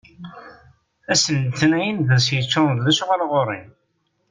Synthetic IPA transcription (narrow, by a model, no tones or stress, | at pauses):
æsənt̪ːnæjənðəsjət͡sːʊɾððæʃʊʁalʁoɾˤin